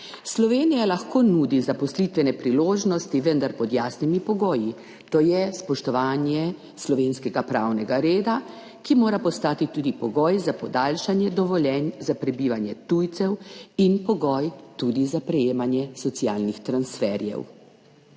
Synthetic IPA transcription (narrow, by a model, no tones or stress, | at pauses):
slɔʋeːnijalaxkoːnuːd̪izapɔslit̪ʋɛnɛpɾiloːʒnɔst̪iʋənd̪aɾpɔd̪jaːsnimipɔɡɔːji | t̪oːjɛspɔʃt̪ɔʋaːnjɛ | slɔʋeːnskɛɡapɾaːwnɛɡaɾeːd̪a | kimoːɾapɔst̪aːt̪it̪uːd̪ipɔɡɔːjzapɔd̪alʃanjɛd̪ɔʋɔljɛnzapɾɛbiːʋanjɛt̪ujt̪sɛwinpɔɡɔjt̪uːd̪izapɾɛjeːmanjɛsɔt̪siaːlnixt̪ɾansfɛɾjɛ̰w